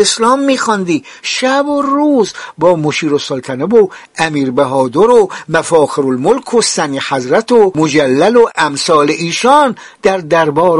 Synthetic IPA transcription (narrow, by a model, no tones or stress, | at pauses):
eslɒːmːiːxɒnd̪iː | ʃæboɾuːzbɒːmoʃiːɾosolt̪ʰænæbo | æmiːɾbæɦɒːd̪oɾomæfɒːxeɾolmolkʰosænihæzɾæt̪ʰomod͡ʒælːæloʔæmsɒːleʔiːʃɒːn | d̪̥æɾd̪æɾbɒːɾ